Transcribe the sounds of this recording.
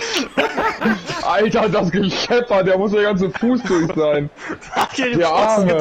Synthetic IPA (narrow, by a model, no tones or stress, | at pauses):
ʔaltɐdasɡ̥əʃɛfɐdeːɐmʊsd̥eːɐɡant͡səfuːsd̥ʊɐçz̥aɪn | d̥eːɐʔaɐmə